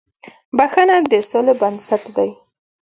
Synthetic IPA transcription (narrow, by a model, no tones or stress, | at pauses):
baxanad̪əsolebansat̪d̪aj